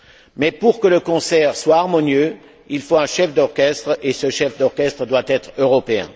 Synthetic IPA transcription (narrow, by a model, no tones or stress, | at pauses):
mɛpuʁkələkɔ̃sɛʁswaːʁmɔnjø | ilfoɛ̃ʃɛfd̪ɔʁkʲɛst̪χesəʃɛfd̪ɔʁkʲɛst̪χəd̪wat̪ɛt̪χøʁɔpeɛ̰̃